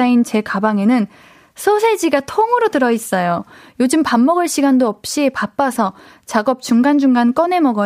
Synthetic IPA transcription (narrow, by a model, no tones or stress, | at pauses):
aint͡ɕe̞kabaŋe̞nɯn | sʰosʰe̞d͡ʑiɡatʰoŋɯɾotɯɾʌis͈ʌjojod͡ʑɯmpamːʌɡɯɭɕ͈ʰiɡandoʌp̚ɕ͈ipap͈asʰʌ | t͡ɕaɡʌp̚t͡ɕ͈uŋɡand͡ʑuŋɡank͈ʌne̞mʌɡʌ